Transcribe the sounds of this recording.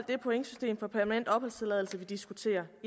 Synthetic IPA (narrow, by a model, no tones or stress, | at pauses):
l̰d̥e̝pʰoeŋsy̥sd̥e̝̰ːmfɒpʰæɐmænen̰d̥ɒ̽b̥ɒ̽l̰st͡sʰelɛðˠl̩səʋid̥isɡ̥ut͡sʰe̝̰ːɐ